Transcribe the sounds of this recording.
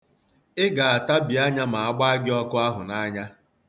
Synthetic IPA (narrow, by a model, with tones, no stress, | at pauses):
ɪ˦ɡa˨a˨ta˦bi˨a˦ɲa˦ma˨a˦ɡ͡ba˦a˦ɡɪ˦ɔ˦kʊ˦a˦ɦʊ˨na˦ɲa˦